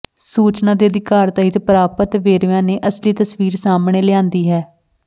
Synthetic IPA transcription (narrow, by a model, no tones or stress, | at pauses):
suːt͡ʃnãːd̪eːəd̪ɪkaːɾt̪aːɦɪt̪pəɾaːpət̪ʋeːɾʋãːneːʔəsliːt̪əsʋiːɾsaːmneːlɪãːnd̪iːɦɛː